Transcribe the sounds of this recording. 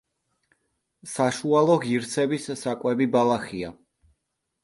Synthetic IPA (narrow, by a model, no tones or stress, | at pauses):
saʃualˠɔʁiɾt̪sʰɛbissakʼwɛbibalˠaχia